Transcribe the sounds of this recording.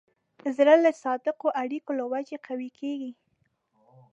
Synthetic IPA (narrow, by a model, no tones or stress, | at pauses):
zɾələsɑd̪ɪqoʔaɽikolawad͡ʒeqawikʰeɡi